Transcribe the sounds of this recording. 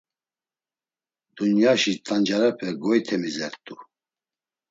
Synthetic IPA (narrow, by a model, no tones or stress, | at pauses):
d̪unjaʃit̪ʼand͡ʒaɾapʰɛɡɔjt̪ʰɛmizɛɾt̪ʼu